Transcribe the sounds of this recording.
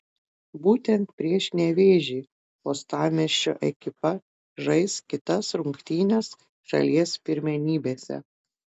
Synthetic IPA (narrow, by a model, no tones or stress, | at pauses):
buːt̪ʲɛnt̪̚pʲɾʲiɛʃnʲɛʋʲeːʒʲiː | oːst̪ɑːmʲɛʃʲt͡ʃʲo̰ːʔɛkʲɪpɐ | ʒɐɪskʲɪt̪ɐsɾʊŋkt̪ʲiːnʲɛs | ʃɐ̰lʲiɛspʲɪɾʲmʲɛnʲiːbʲeːsʲɛ̰